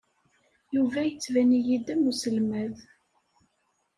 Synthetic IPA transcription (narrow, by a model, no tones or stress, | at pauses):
juvæjət͡sːvænijid̪æmusəlmæð